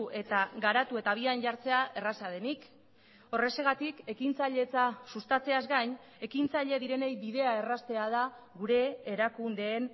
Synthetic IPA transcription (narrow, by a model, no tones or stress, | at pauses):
ʔe̞t̪aɡaɾat̪ue̞t̪aβ̞ianʝaɾt͡se̞aʔe̞rasað̞e̞nik | o̞re̞se̞ɣat̪ike̞kint͡saʎe̞t͡sasust̪at͡se̞azɡajɲ | e̞kint͡saʎe̞ðiɾe̞ne̞jbiðe̞ae̞rast̪e̞aða | ɣuɾe̞ːɾakund̪e̞ːn